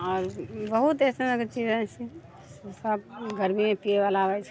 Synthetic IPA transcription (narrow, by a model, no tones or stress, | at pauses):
ɔːɾbəɦut̪ɛːsẽnəkt͡ʃiːd͡ʒɛ̃t͡ʃʰi | esəb̚ɡəɾmimẽpieʋalaʋət͡ʃʰ